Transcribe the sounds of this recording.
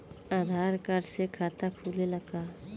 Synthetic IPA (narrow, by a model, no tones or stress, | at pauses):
aːd̪ʱaːɾkəɾsekʰaːt̪akʰuːleləkaː